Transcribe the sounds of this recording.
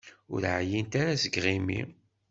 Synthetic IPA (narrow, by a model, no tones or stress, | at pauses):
ʊ̰ɾʕjint̪aɾazəɡʁimḭ